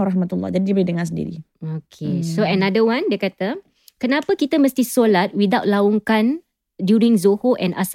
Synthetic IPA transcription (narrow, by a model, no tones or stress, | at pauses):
ɾaɦmat̪ulːɔ̰d͡ʒadidibəɾidəŋas̬əndḭɾḭ | okʰesoənadəwãndiəkat̪a | kənapakit̪aməst̪isolat̪̚wid̪awt̚lauŋkan | djuɾĩŋzohoʔɛ̃nʔa̰s